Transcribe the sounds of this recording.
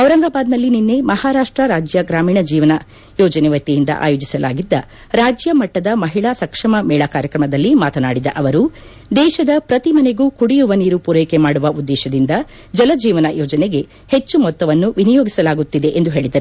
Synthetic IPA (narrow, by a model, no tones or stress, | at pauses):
ɐwɾɐŋɡaːbaːd̪nɐlːininːe̞mɐhaːɾaːʂʈɾɐɾaːd͡ʒjɐɡɾaːmiːɳɐd͡ʒiːʋɐnɐ | jɔːd͡ʒɐneʋɐt̪ːijind̪ɐ̰ʔa̰ːjoːd͡ʒisɐlʔa̰ːɡid̪ːɐ | ɾaːd͡ʒjɐmɐʈːɐd̪ɐmɐɦiɭasɐkʂɐmɐmɛːɭakaːɾjɐkɾɐmɐd̪ɐlːimaːt̪ɐna̰ːɽid̪ɐ̰ʔɐʋɐɾu | d̪ɛːʃɐd̪ɐpɾɐt̪imɐne̞ɡuːkuɽijuʋɐniːɾupuɾejkemaːɽuʋɐud̪ːɛːʃɐd̪ind̪ɐ | d͡ʒɐlɐd͡ʒiːʋɐnɐjɔːd͡ʒɐneɡe̞ | het͡ʃːumɔt̪ːɐʋɐnːuʋinijoːɡisɐlaːɡut̪ːid̪e̞ʔend̪uɦe̞ːɭid̪ɐɾu